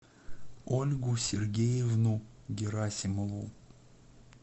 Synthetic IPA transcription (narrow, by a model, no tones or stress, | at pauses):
olʲɡʊsʲɪrɡʲejɪvnuɡʲɪɾasʲɪməvu